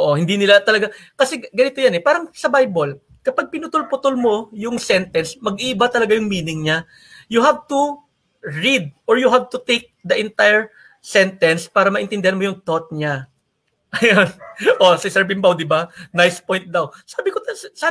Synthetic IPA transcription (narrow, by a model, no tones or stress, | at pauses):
ʔoʔohɪnd̪inɪlat̪ɐlɐɡakɐsɛɡɐnɪt̪ojanɛpaːɾɐŋsɐbajbol | kɐpaɡ̚pɪnʊt̪ʊlpʊt̪olmo̞jʊŋsɛnt̪ɛnsmɐɡʔiːbat̪ɐlɐɡajʊŋmiːnɪŋɲa | jʊɦab̚t̪ʊ | ɹid̪̚ʔoɹjʊɦab̚t̪ʊt̪ejk̚d̪ɐʔɛnt̪ajɛɹ | sɛnt̪ɛnspaːɾɐmɐʔɪnt̪ɪnd̪ɪhɐnmo̞jʊŋt̪ot̪̚ɲa | ʔɐjonʔosɐsɛɹbɪmbawd̪ɪbanajspojnt̪̚d̪awsaːbɪkoɐsa